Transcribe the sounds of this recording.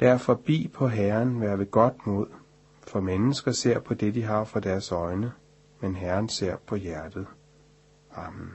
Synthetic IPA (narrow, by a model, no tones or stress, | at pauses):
d̥æɐ̰fɒ̽b̥ḭːpʰɒ̽ɦæɐnʋæɐʋeɡ̥ɒ̽d̥mo̝ð̞̰ˠ | fɒ̽menəsɡ̥ɐse̝ɐ̰pʰɒ̽d̥e̝d̥iɦɑ̈fɑ̈d̥æɐsɒ̽ɪnə | menɦæɐnse̝ɐ̰pʰɒ̽jæɐd̥ð̩ˠ | ɑ̈mn̩